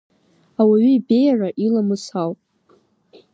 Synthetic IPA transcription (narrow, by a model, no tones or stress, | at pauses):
awaɥʏibe̞jaraʔilamɨsawpʼ